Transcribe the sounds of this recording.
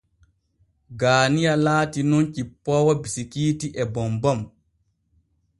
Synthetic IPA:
ɡaːnijalaːtinɔnt͡ʃipːɔwɔbisikiːtiʔɛbɔmbɔm

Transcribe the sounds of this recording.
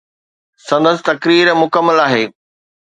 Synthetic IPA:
sɐ̃nd̪əsɪ̥̆t̪ɐkɾiːɾmʊkəmːəlaːɦeː

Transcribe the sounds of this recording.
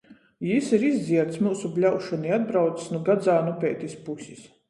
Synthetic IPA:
jisiɾizd̪ziɛɾt̪smuːsuplʲawʃɔniad̪̚bɾawt̪ssnuɡad̪zaːnupʲɛːt̪ʲispusʲis

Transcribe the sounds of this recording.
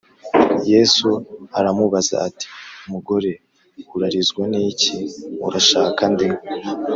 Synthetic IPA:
je̞ːsuaɾamuβaza̰ati̥umuɡo̞ɾe̞ | uɾaɾizɡwaniːciṵɾaʃaːkandiŋɡo

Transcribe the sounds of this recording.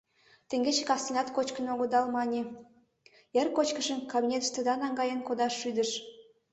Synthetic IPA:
t̪eŋɡet͡ɕekɑst̪inɑt̪kot͡ɕkənoɣəd̪ɑlmɑnʲe | erkot͡ɕkəʃənkɑbʲinʲet̪ə̥ʃt̪ə̆d̪ɑnɑŋɡɑjənkod̪ɑʃːyd̪əʃ

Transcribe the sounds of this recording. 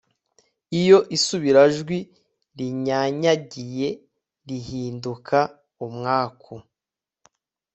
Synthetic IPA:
ijo̞ʔisuβiɾaʒɡwi | ɾiɲaɲaɟije̞ | ɾiɦiːndukʰa | umŋaːkʰo

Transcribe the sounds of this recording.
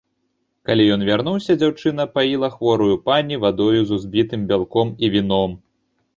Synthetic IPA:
kalʲijɔn̪vʲarn̪uwsʲɐd͡zʲawt͡ʂɨnɐpajilˠɐxvɔɾujupanʲivad̪ɔjuzuzbʲit̪ɨmbʲalˠkɔmivʲinɔm

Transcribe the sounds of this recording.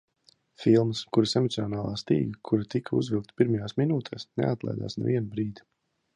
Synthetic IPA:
filˠməskuɾisɛmɔt̪siɔnaːlˠaːst̪ḭːɡɐkʰuɾat̪ikʰaṵzvʲilˠk̚t̪piɾmɐjaːsminuːt̪ʰɛːsnɛ̰at̪lˠa̰jd̪a̰ːsnɛ̰vʲiɛnubɾiːd̪i

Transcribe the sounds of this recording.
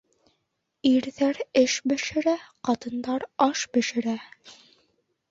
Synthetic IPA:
iɾðæɾɘʃbɘ̆ʃɘ̆ɾæqɑt̪ɤ̆nd̪ɑɾɑʃbɘ̆ʃɘ̆ɾæ

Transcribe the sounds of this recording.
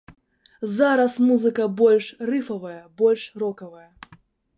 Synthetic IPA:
zaɾɐsmuzɨkɐbɔlʲʂrɨfɐvɐjɐbɔlʲʂrɔkɐvɐjɐ

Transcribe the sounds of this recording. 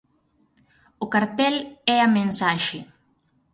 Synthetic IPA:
ʊkaɾt̪ɛlɛamẽnsaʃɪ

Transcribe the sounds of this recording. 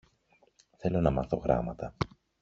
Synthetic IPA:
θe̞lo̞nɐmɐθo̞ɣɾɐ̰mɐt̪ɐ

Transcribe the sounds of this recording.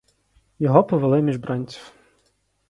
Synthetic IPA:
jɔɦɔpɔʋelˠɪmʲiʒbɾɑnʲt͡sʲi̥w

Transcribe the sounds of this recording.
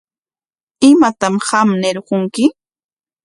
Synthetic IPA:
ɪmat̪amɢɑmnɪɾɢoŋkɪ

